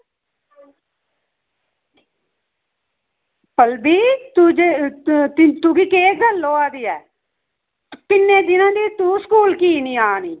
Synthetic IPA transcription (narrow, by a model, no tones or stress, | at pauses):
pəlbiːt̪ud͡ʒe | t̪uɡiːkeːɡ̪əlːoːaːd̪iːɛː | pɪnːẽːd̪ɪnãːd̪iːt̪uːsə̥kuːlkiːniːaːniː